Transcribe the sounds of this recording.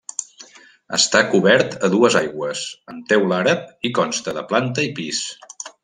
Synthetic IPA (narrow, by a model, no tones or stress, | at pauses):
ə̰st̪akuβɛɾt̪əðuəzajɣwəsəmt̪ɛwlaɾəp̚ikɔnst̪əðəplant̪əipis